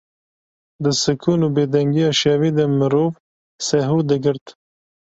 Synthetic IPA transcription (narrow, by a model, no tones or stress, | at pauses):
d̪əsɨkʰunubeːd̪ɛŋɡijɑʃewiːd̪əmɨɾoːv | sɛɦuːd̪əɡɨɾt̪